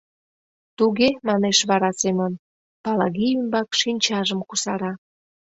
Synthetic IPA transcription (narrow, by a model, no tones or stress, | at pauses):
t̪uɣemɑneʃβɑɾɑsemən | pɑlɑɣiymbɑkʃinʲt͡ɕɑʒəmkusɑɾɑ